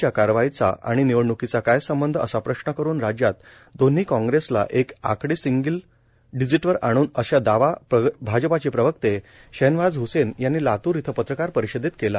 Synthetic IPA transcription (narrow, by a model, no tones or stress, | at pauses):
jakaɾʋait͡sa̰ʔa̰ɽ̃iniʋəɽɳukit͡sakajsəmbənd̪ʱəə̰sapɾəɕnəkəɾuːnɾad͡ʑjat̪ | d̪on̤iːkɔ̃ŋɡɾesla̰ʔeka̰kɽiːsiŋɡəl | ɖid͡ziʈʋəɾaɽ̃uːnəɕad̪aʋapəbʱad͡ʑəpat͡ɕepɾəʋəkt̪eɕenʋad͡zɦusenjanːiːlat̪uːɾit̪ʰəpət̪ɾəkaɾpəɾiɕəd̪ʱit̪̚kela